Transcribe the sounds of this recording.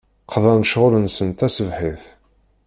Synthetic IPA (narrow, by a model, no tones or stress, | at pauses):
qʰðˤɑnʃʁʊɾənsənt̪æsəvħiθ